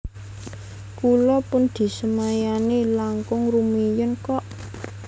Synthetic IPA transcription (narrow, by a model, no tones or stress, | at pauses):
kulɔpʊnd̪̥i̤səmajanelaŋkʊŋrumijənkɔʔ